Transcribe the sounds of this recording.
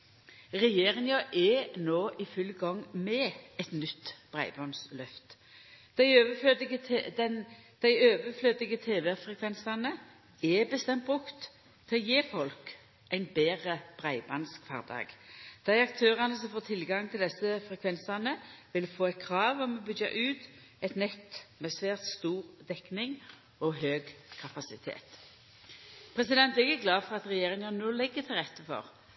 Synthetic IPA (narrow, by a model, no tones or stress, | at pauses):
ʁɛjeːʁɪŋjɑʔɛnoːʔɪfʉlɡɔŋmɛːɛt̪nʏt̪ːb̥ʁæ̰ɪbɑnslœft̪ | d̪̥æɪøːʋəfød̪ɪɡəɛnd̪̥æɪøːʋəfløːd̪ɪɡət̪ʰeːʋɛfʁɛkʰʋɛnsɑnə | ɛbəst̪ɛmt̪̚bʁʉkt̪ | t̪ʰːɛɔjeːfɔlk | ʔæɪnbeːʁəb̥ʁæɪbɑnskfɑ̰ːd̪ɑ̰ːɡd̪̥æɪɑk̚t̪ʰøːʁɑnəsɔmfoːʁt̪ʰɪlɡɑŋt̪ʰɪld̪ɛsəfʁɛkʰʋɛnsɑnəʋɪlfoːɛɪt̪̚kʰʁɑːʋɔmɔbʏdɑ̰ʔʉːt̪ | ɛɪt̪nɛt̪ːmɛːsʋeːʁt̪st̪uːʁd̪ɛknɪŋ | ɔɦøːɡkʰɑpɑsɪt̪ʰḛːt̪ | pʰʁɛsɪd̪ɛnt̪ɪɡæɡlɑːfɔʁɑt̪ʁɛjeːʁɪŋɑnnoːlɪɡːət̪ʰɪlʁɛt̪ːəfɔ̰ʁ